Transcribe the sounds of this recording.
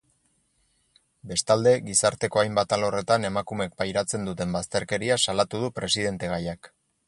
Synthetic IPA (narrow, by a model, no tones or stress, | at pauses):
be̞st̪ald̪e̞ɣisaɾt̪e̞ko̞ajmbat̪alo̞re̞t̪ane̞makume̞k̚pajɾat͡se̞nd̪ut̪e̞mbast̪e̞ɾke̞ɾiasalat̪uðupɾe̞siðe̞nt̪e̞ɣ̞ajak